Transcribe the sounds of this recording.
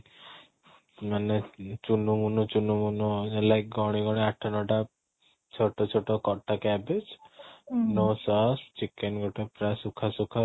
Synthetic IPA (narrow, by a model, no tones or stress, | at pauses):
manet͡ʃunumunɔt͡ʃunumunɔlajk̚ɡɔɽ̃iɡɔɽ̃iaʈʰanɔʈa | t͡ʃʰɔʈɔt͡ʃʰɔʈɔkɔʈːakɛbed͡ʒ | nosɔst͡ʃikenɡɔʈepɾasukʰasukʰa